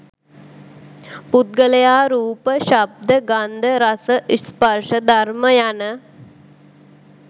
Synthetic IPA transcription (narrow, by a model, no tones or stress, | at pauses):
put̪̚ɡələjaːɾuːpəʃab̚d̪əɡand̪əɾasəʔispərʂəd̪aɾməjanə